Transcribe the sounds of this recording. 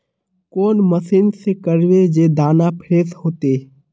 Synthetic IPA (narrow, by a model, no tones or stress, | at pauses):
koːnməsɪnsekəɾʋed͡ʒeːd̪aːnapʰɪɾeːshoːt̪eː